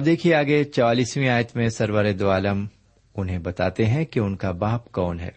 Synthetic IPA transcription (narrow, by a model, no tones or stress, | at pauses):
ɐb̚d̪eːkʰieaːɡet͡ʃɔaːliːswĩaːjət̪mẽsɐɾwəɾed̪oaːləm | ʊnɦẽbɐt̪a̰ːt̪eɦɛ̃kiʊnkabaːpkɔːnɦɛ̰ː